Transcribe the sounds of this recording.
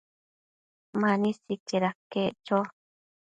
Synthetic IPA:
mãnĩsikeɾaket͡ʃo

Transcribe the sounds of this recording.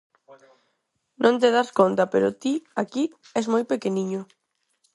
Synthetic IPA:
nʔõnt̪̬eð̞askont̪apeɾot̪iaki | ɛzmojpekeniɲʊ

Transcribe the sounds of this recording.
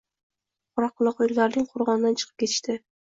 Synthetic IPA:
qʰʊɾɑq̚ːʊlˠɑqollːaɾnɪŋqʰoɾʁɒnɪd̪ant͡ʃʰɨ̥qʰɨp̚kʲe̞t̪ʰɪ̥ʃt̪ɪ

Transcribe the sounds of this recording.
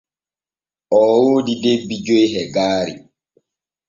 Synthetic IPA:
ʔɔːwoːdidebːid͡ʒojɦɛɡaːɾḭ

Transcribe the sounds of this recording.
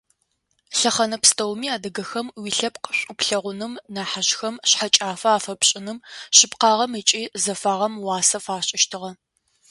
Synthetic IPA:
ɬɐχɐnɐpstʰɐwmiːaːdɐɡɐxɐmwiɬɐpqəɕʷʼʊpɬɐʁʷʊnɨmnaːħaɕxɐmɕħat͡ʃʼaːfɐaːfɐpɕʼɪnɨmɕɪpqɑːʁɐmɨt͡ʃʼiːzɐfaːʁɐmwɑːsɐfaːɕʼɪʃtʰɨʁɐ

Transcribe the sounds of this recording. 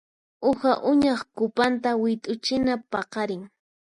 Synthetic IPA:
ʊxaʔʊɲɑχkʊpant̪̬awɪt̪ʼʊt͡ʃɪnapɑqɑɾɪŋ

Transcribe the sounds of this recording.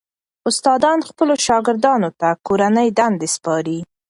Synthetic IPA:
ʊst̪ɑd̪ɑnxpəloʃɑɡɪɾd̪ɑnot̪akoɾanəjd̪and̪espɑɾi

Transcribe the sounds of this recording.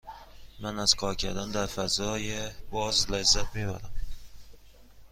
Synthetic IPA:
manaskʰɒkʲʰad̪and̪aɾfazɒjabɒzlazːat̪̚beva̰ɾam

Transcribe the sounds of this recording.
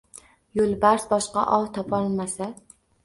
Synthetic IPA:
jolˠbaɾsbɒʃqɑ̰ʔɒwt̪ʰɒpʰɒlˠmasa

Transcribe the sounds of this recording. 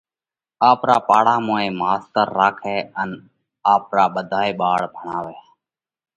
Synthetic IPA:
aːpɾaːpaːɽaːmoːẽːmaːst̪əɾːaːkʰeːən | aːpɾaːɓəd̪ʱaːeːɓaːɭbʱəɳaːʋeː

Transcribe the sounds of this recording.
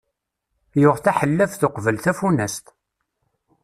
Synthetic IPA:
jʊʁθæħəlːəfθʊqvəlθæfunæst̪

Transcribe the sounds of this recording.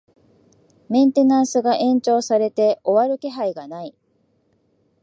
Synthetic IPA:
mẽ̞nt̪e̞nãɰ̃sɨɡaʔẽ̞ɲ̟t͡ɕo̞ːsaɾe̞t̪e̞ʔo̞βaɾɯ̟ke̞ɦaiɡanai

